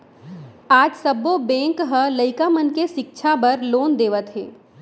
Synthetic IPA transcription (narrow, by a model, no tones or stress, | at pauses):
aːd͡ʒsɐbobɛ̃ːŋkɦələɪkamənkeʃɪk̚t͡ʃʰabɐɾloːnd̪eːʋət̪ɦḛː